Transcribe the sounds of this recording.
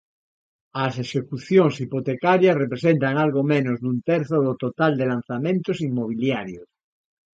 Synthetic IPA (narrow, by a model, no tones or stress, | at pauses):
aseʃekuθjoŋsipot̪ekaɾjasrepɾesent̪aŋalɣomẽnozðunt̪eɾθoðot̪ot̪ald̪elan̟θamẽnt̪osimmoβ̞iljaɾjos